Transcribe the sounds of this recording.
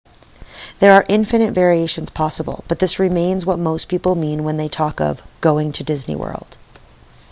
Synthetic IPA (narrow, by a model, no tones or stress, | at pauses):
ðə˞ːʔɪ̃ɱfɨnɨtvɛɹieɪʃɨ̃n̩z̥pʰɑsəb̰l̩ˠb̥ʌt̪̚ðɪsɹɨmẽɪ̃nzwʌt̚moʊspʰipl̩ˠmĩnwə̃nðeɪtʰɔkʌ̰vɡ̥oʊɪ̃ŋtʰɨdɪznḭwɜ̰˞lˠd̥